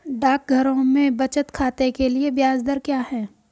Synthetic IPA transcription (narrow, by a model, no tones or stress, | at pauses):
ɖaːk̚ɡʱɐɾõmẽbɐt͡ʃət̪kʰaːt̪ekeliebjaːzd̪əɾkjaːɦɛː